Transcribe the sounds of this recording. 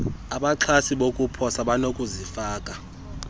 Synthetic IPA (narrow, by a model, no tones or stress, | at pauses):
aɓaǁʰasiɓokʼupʰɔsaɓanokʼuzifaːkʼa